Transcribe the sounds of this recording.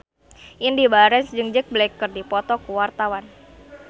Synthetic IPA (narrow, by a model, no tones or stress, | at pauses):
ʔɪndibaɾɛsd͡ʒɨŋd͡ʒək̚blekːɨrdipɔt̪ɔkuwart̪awan